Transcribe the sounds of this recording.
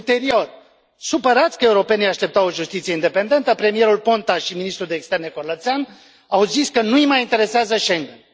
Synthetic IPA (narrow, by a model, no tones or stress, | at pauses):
t̪e̞ɾio̞r | supəɾat̪sʲkəe̞uɾo̞pe̞nijaʃt̪ep̚t̪awo̞ʒust̪it̪sie̞ind̪e̞pe̞nd̪e̞nt̪əpɾe̞mije̞ɾulpo̞nt̪aʃiminist̪ɾud̪e̞ːkst̪e̞rne̞ko̞rlət̪sean | awziskənuimajint̪e̞ɾe̞seazəʃeŋɡen